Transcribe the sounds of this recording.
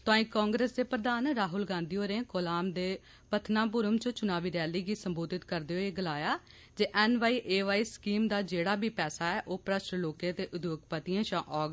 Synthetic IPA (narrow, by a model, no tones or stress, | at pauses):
t̪oãːĩːkɔ̃ːŋɡɾeːsd̪eːpɾəd̪aːnɾaːɦʊlɡãːnd̪iːoːɾẽːkolaːmd̪eː | pət̪ʰnaːp̬ʊɾəmt͡ʃət͡ʃʊnaːʋiːɾɛːliːɡiːsəmboːd̪ʱɪt̪kəɾd̪eːoːeːɡəlaːjaː | d͡ʒeːʔɛːnʋaːiːʔeːʋaːiːskiːmd̪aːd͡ʒeːɽaːbʱiːpɛːsaːɛːʔoːpɾəʃɾloːkẽːt̪eːʔʊd̪joːɡpət̪iːãːʃãːʔɔːɡ